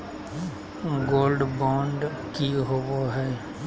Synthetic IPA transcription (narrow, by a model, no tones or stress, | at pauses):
ɡoːlɖbɔ̃ːɳɖ | kiɦoʋoɦɛː